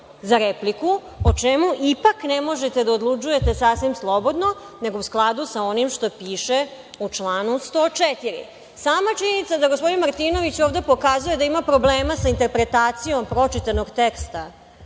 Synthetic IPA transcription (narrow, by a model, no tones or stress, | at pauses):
zaɾepliku | ot͡ʃemuʔipaknemo̞ʒe̞t̪e̞d̪aod̪lˠut͡ʃuje̞t̪e̞sasʋimslˠo̞bo̞d̪no̞ | ne̞ɡo̞usklˠad̪usao̞nimʃt̪o̞piːʃe | ut͡ʂlˠaːnust̪o̞ːt͡ʃet̪iɾḭ | saːmat͡ʃiɲenit̪sad̪aɡospod̪inmaɾt̪iːno̞ʋit͡ɕoːʋd̪e̞po̞kazuje̞d̪aimapɾo̞bleːmasaint̪e̞ɾpɾet̪aːt̪sijo̞mpɾo̞t͡ʃit̪ano̞ɡt̪ekst̪a